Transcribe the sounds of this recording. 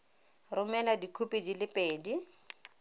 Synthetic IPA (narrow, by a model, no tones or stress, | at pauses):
rʊmɛladikʰupʼed͡ʒilɪpʼeːdi